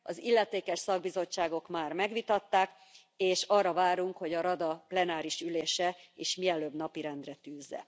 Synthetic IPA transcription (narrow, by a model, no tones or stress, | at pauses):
ɒzilːɛt̪eːkɛʃsɒɡ̚bizo̞t͡ʃːaːɡo̞kmaːrmɛɡʋit̪ɒt̪ːaːk | eːʃɒrːɒvaːɾuŋkho̞ɟɒɾɒd̪ɒplɛnaːɾiʃyleːʃɛiʃmiɛløːbnɒpiɾɛnd̪rɛt̪yːzːɛ̰